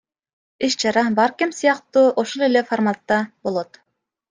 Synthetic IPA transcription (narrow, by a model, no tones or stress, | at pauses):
iʃt͡ʃɑɾɑbɑɾkimsɯjɑqt̪uːʔoʃolˠeleformat̪ːɑbo̞lˠot̪